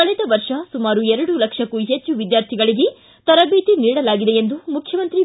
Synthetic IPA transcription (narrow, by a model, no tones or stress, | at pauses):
kɐɭɛːt̪ɐʋɐɾʂɐsumaːɾuɛɾɐɽulɐkʂɐkːuɦet͡ʃːuʋid̪jaːɾt̪ʰiɡɐɭiɡe̞ | t̪ɐɾɐbʱiːt̪iniːɽɐlaːɡid̪e̞jend̪umukʰjɐmɐnt̪ɾi